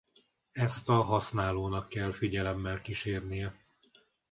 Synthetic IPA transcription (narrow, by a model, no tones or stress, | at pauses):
ɛst̪ɒɦɒsnaːloːnɒkːɛlfiɟɛlɛmːɛlkiʃeːrnijɛ